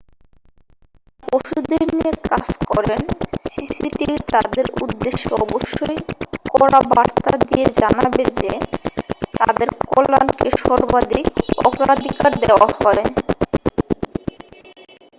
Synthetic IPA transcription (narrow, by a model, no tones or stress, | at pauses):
poʃud̪eɾniekad͡ʑkɔɾensisiʈiɾt̪ad̪eɾṵd̪ːeʃːeɔboʃːojkɔɾabaɾt̪ad̪ied͡ʑanabed͡ʑe | t̪ad̪eɾkolankeʃɔɾbad̪ʱikɔ̰kɾad̪ʱikaɾd̪eoahɔe